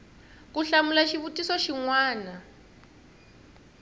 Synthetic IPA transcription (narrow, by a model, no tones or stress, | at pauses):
kuɬamulaʃiβutʼisɔʃiŋwaːna